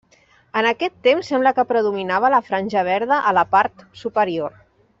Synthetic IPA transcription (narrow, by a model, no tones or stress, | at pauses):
ənəkɛt̪ːemsːɛmbləkəpɾəðuminaβələfɾanʲʒəβ̞ɛɾðəʔələpaɾt̪supəɾior